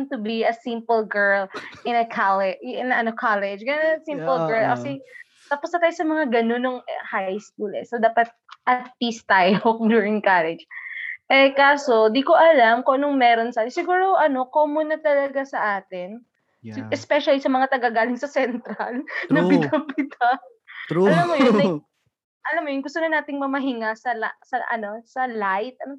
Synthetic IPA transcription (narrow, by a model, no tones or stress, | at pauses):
nt̪ʊbiɐsĩmpɪlɡɛɹlʔɪ̃nɐkʰalɛɪnɐʔɐnokʰalɛd͡ʒɡɐonɐsimpʊlɡɛɹlkɐsɛ | t̪aːposnɐt̪aːjosɐmɐŋaɡɐno̞nːoŋhajskuːlɛ̰sod̪aːpɐt̪̚ʔɐt̪̚pist̪ajokd̪juɹɪŋkalɛd͡ʒʔɛkaːsod̪iko̞ʔɐlamkoʔɐnoŋmɛːɾo̞nsɐʔaːt̪ɪsɪɡuːɾoʔɐno̞koːmʊnɐt̪ɐlɐɡasɐʔaːt̪ɪn | ʔɛspɛʃɐlisɐmɐŋat̪ɐɡaɡaːlɪŋsɐsɛnt̪ɾalnɐbɪnapɪt̪a | ɐlamːoj̪ɐ | ʔɐlamːojʊnɡʊst̪onɐnaːt̪ɪŋmɐmɐɦɪŋasɐlasɐʔɐ̰no̞sɐlajt̪̚ʔɐno